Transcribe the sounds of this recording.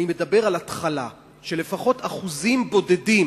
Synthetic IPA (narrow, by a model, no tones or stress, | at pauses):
nime̞dabe̞ʁalatχala̰ | ʃe̞le̞faχo̞taχuzimbo̞de̞dim